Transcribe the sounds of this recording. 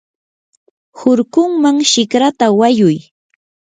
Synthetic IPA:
hʊɾkʊŋmaŋʃɪkɾat̪awajʊj

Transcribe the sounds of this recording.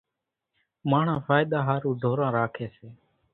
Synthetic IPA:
maːɳ̤ãːfʰaːɪɗ̪aːɦaːɾuːd̪ʱoːɾãːɾaːkʰeːseː

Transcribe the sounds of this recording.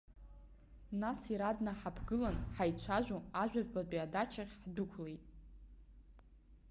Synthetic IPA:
nasiɾadnaħapʰɡɨlanħajt͡ɕʷʰaʒᶣoaʒᶣʷapʰbapʼiadat͡ʃʰaχʲħdʊkʷʰlejtʼ

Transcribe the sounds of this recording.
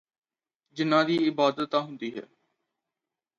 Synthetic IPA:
d͡ʒɪnːãːd̪iːɪbaːd̪ət̪ːãːɦʊ̃nd̪iːɦɛ̰ː

